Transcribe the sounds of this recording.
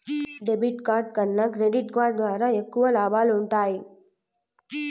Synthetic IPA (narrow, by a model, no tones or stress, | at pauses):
ɖebiʈkaːɾɖ̚kɐnːɐkɾeɖiʈkʋaːɾɖ̚d̪ʋaːɾaːekːuʋɐlaːbaːluɳʈaːji